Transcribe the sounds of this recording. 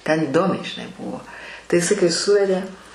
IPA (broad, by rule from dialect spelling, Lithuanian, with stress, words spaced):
tʲɛn ɪˈdoːmʲɛɪ ʒʲɪˈnɐɪ ˈbʊʋoː tɐɪ ɪˈsɐɪ kɐɪ ˈsʊʋʲɛdʲeː